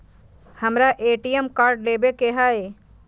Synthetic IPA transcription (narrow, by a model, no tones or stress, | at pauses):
hɐmɾaʔeːʈijəmkaːɾɖleːbekeɦaːe